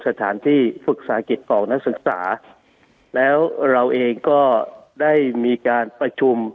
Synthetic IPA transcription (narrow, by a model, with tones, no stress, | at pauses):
sa˧t̪ʰaː˩˦nt̪ʰiː˥˩fɯ˨˩k̚saː˩˦ki˨˩t̪̚kʰɔː˨˩˦ŋna˦˥k̚sɯ˨˩k̚sa̰ː˩˦ | lɛː˦˥wɾa˧wʔeː˧ŋkɔː˥˩daː˥˩jmiː˧kaː˧npɾa˧t͡ɕʰu˧m